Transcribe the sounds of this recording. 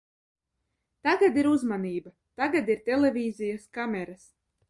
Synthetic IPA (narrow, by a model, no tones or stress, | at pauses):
t̪aɡad̪iɾuzmaniːba | t̪aɡad̪iɾt̪ʲɛlevʲiːzijaskamʲɛɾas